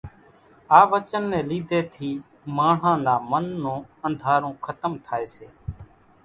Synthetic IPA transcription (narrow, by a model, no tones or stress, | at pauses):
aːʋət͡ʃənːɛ̃ːliːd̪eːt̪ʰiː | maːɳ̤ãːnaːmənːõːənd̪ʱaːɾõːkʰət̪əmt̪ʰaːeːseː